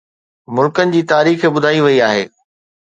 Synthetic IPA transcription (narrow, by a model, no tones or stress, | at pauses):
mʊlkənɪ̆d͡ʑiːt̪aːɾiːxebʊd̪ʱaːiʋɐiaːɦḛː